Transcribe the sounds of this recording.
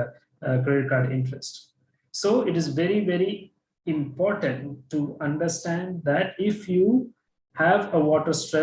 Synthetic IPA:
kɾeːɖɪʈ̚kaːɾɖɪ̰̃ɳʈɾesʈ | soːɪʈɪzʋɛɾiʋɛɾi | ɪ̃mpɔːɾʈə̃ɳʈʈːuʌ̃ɳɖəɾsʈæ̃ɳɖ̚d̪æʈɪfjuː | hæʋəʋɔːʈəɾsʈɾɛ

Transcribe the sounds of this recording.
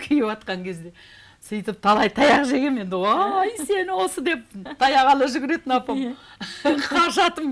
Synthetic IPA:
kʲʰɪjɪpɑt̪̚qɑŋkʲʰe̞zd̪e̞ | sijt̪əp̚t̪ʰɑlˠɑjt̪ʰɑjɑqʒe̞ɡʲeme̞nd̪ɪwojse̞nɪwo̞səd̪e̞p̚t̪ʰɑjɑʁɑlˠəʒʏɡʲɪɾe̞t̪ɪnɑpɑm | qʰɑɾʃɑt̪əm

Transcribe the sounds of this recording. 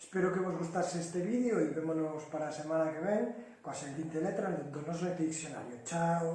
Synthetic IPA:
espeɾokeβozɣust̪asest̪eβiðjoiβemonospaɾaːsemanakeβeŋ | kwaseld̪int̪elet̪ɾand̪nd̪onosɾet̪ɾiiksjona̰ɾjot͡ʃaw

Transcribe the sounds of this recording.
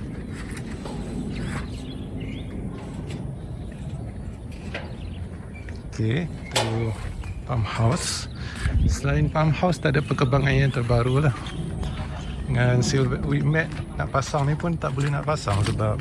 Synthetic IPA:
okʰe | t̪u | pamhaws | səlainpamhawst̪aʔdapːəkəbaŋanjant̪ərbaɾulah | əŋansilvɛʔwiʔmɛt̪̚naʔpasaŋnipʊnt̪aʔbolɛhnaʔpasaŋsəbap̚

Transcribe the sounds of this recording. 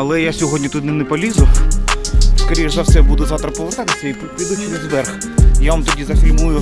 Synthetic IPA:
ɐlˠɛjasʲɔɦɔdʲnʲit̪ut̪nɛnɛpɔlʲizʊ | skɐɾʲiʒzɐwsɛbud̪ʊzat̪ɾɐpɔlˠɐt̪ɛt̪ɪsʲɛji | bʲud̪ʊt͡ʃʲid̪ɐzʋɛrx | jaʋɐmt̪ɔdʲizɐfʲilʲmujʊ

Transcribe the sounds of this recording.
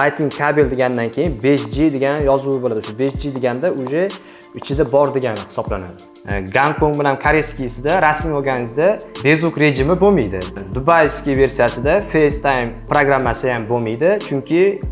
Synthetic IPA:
ajt̪ʰɪŋkʲʰabeld̪eɡʲand̪ankʲʰe̞jɪnbe̞ʃd͡ʒid̪eɡʲanjɒzuɪbolad̪ʊʃabe̞ʃd͡ʒɪd̪eɡʲand̪aʊʒe | ɪt͡ʃʰɪd̪abɒɾd̪eɡʲanɪhɪ̥sɒblana̰d̪ɪ | ɡankʰoŋɡbɪlankʰaɾeskʲijɪsɪd̪aɾasmiɒɾɡʲanɪzd̪abe̞zukɾe̞ʒɪmɪbomijd̪ɪ̰d̪ʊbajskʲive̞ɾsijasɪd̪afejst̪ʰajmpɾoɡɾamːasɪjambomijd̪ɪt͡ʃʰʊŋkʲʰɪ

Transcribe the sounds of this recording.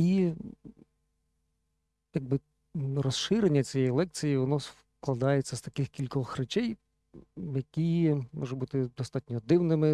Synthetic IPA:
i | jɐɡ̚bɪ | rɔsʃɪɾenʲːɐt͡sʲijɛjlˠɛk̚t͡sʲijiʋɔnɔs | klˠɐd̪ɑjet͡sʲːɐst̪ɐ̥kɪxkʲilʲkɔxrɛt͡ʃɛj | jɐkʲimɔʒɛbut̪ɪd̪ɔst̪ɑtʲnʲɔd̪ɪwnɪmɪ

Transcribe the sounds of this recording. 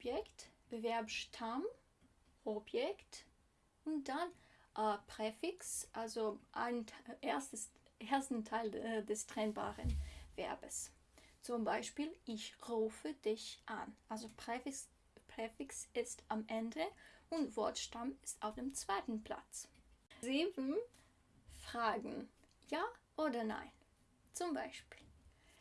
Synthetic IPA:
ɔbjɛktb̥əvɛɐbʃtʰam | ʔɔbjɛkt | ʊntd̥anʔpʁ̥ɛfɪksʔalzoʔaɪnʰʔeɐstəʔeːɐstn̩tʰaɪldɛstʁ̥ɛnba̰ːʁənv̥ɛ̰ɐbəs | t͡sʊmbaɪʃpiːlʔɪçʁuːfədɪçʔa̰nʔalzo | pʁɛfɪksɪstʔamʔɛndəʔʊntv̥ɔɐtʃtamɪstaʊfd̥eːmt͡sv̥aɪtn̩pl̥a̰t͡sziːbn̩ | fʁ̥aːɡŋ̩jaːʔoːdɐna̰ɪn | t͡sʊmbaɪʃpi̥ːl

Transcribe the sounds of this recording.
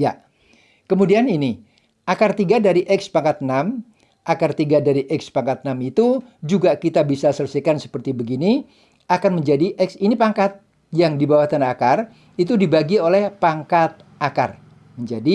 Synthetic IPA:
ja | kəmudianini | ʔakart̪iɡadaɾiʔɛkspaŋkat̪̚nam | ʔakart̪iɡadaɾiʔɛkspaŋkat̪̚namit̪ud͡ʒuɡakit̪abisasələsɛkansə̥pərt̪ibəɡini | ʔakanməɲd͡ʒadiʔɛksinipaŋkat̪̚ | jaŋdibawat̪anakar | it̪̬udibaɡiolɛhpaŋkat̪̚ | ʔaka̰r | məɲd͡ʒadi

